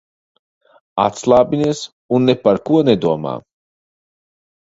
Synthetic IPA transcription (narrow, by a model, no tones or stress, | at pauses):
a̰t̪slˠaːbʲiniɛs | unːepaɾkuɔnɛd̪uɔma̰ː